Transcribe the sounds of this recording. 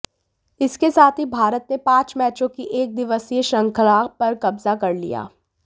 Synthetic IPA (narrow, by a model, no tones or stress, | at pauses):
ɪskesaːt̪ʰibʱaːɾət̪nepãːt͡ʃmɛːt͡ʃõkiʔeːk̚d̪ɪʋəsijeʃɐ̃ŋkʰəlaːpɐɾkɐbzakɐɾlḭja̰ː